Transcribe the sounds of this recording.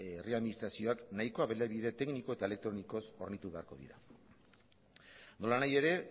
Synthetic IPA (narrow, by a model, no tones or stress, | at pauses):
realminist̪ɾasio̞aknaiko̞aβelaβið̞e̞t̪e̞kniko̞e̞t̪aele̞k̚t̪ɾo̞niko̞so̞̰ɾnit̪uβe̞aɾko̞ðḭɾa̰ | no̞lanaje̞ɾe̞